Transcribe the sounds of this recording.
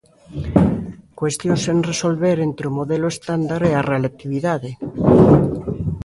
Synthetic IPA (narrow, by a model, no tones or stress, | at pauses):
kwest̪jonsenresolβeɾent̪ɾeomoðeloest̪and̪aɾearelat̪iβ̞iðaðe